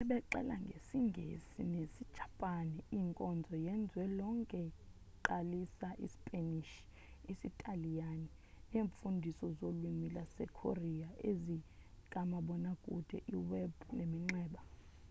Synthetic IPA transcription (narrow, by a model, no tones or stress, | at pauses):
ɛɓɛǃɛ̰la̰ŋɡʱesiŋɡʱḛsinesi̥t͡ʃʰʼḁpʼanɛiŋkʼɔnd͡zʱɔjɛnd͡zʱwɛlɔŋkʼɛ | ǃalisaʔḭsi̥pʼeniʃ | isitʼalijani | neːɱfundʱisɔzolwimilasɛ̰kʰo̰riaezikʼamaɓɔnakʼṵd̥ʱɛ̰ʔiwɛbʱunemiŋ͡ǁɛːɓa